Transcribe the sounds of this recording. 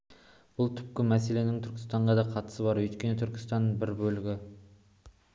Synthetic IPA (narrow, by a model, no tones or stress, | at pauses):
b̥ʊlˠt̪ʰʏp̚kʲɪmæse̞le̞nɪŋt̪ʰʏɾkʲɪ̥st̪ɑɴʁɑd̪ɑqʰɑt̪ə̥səbɑɾwɵjt̪kʲe̞ne̞t̪ʰʏɾkʲɪ̥st̪ɑnːbɪɾbɵlɪɡʲɪ